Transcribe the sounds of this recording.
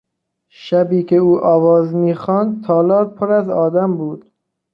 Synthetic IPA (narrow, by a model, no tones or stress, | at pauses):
ʃæbiːkʰeuːʔɒːvɒːzmiːxɒːnd̪̚t̪ʰɒːlɒːɾpʰoɾæzɒːd̪æmbuːd̪̥